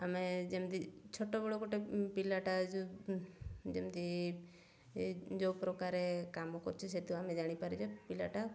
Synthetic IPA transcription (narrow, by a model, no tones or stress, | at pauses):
əmed͡ʒemd̪it͡ʃʰoʈobɔɽokoʈepilaʈad͡ʒ | d͡ʒemd̪i | d͡ʒopɾɔkaɾekamokɔɾt͡ʃʰiset̪uamẽd͡ʒaːɽ̃ipaɾid͡ʒopilaʈa